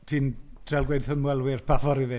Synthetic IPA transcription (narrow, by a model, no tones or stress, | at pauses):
tʰiːnd̥ʰrɛlˠɡwejdθənmwɛlˠwɪrpʰavɔɾivɪ